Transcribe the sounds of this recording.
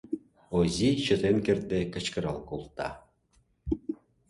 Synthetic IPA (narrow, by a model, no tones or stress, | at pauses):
ozʲiɕŏt̪enkĕrd̪ekɤ̆t͡ɕkɤ̆ɾɑlˠkolˠt̪ːɑ̰